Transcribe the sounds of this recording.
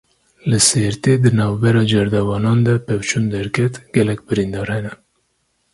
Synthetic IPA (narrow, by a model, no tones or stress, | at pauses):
lɨseɾt̪eːd̪ɨnɑːvbɛɾɑːd͡ʒɛɾd̪ɛvɑːnɑːnd̪ɛpɛwt͡ʃʰund̪ɛɾkʲʰɛt̪ɡ̥ɛlɛk̚bɨɾind̪ɑːɾhɛnɛ